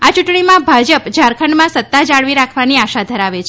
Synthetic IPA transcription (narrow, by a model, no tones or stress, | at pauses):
at͡ʃuʈɳimãbʱad͡ʒəpd͡ʒaɾkʰəɳmãsət̪ːad͡ʒaɭʋiɾakʰʋaniaʃad̪ʱəɾaʋet͡ʃʰ